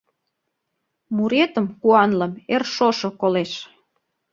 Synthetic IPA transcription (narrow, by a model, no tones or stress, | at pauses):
muɾet̪ə̆mkuɑnləmerʃoʃŏkoleʃ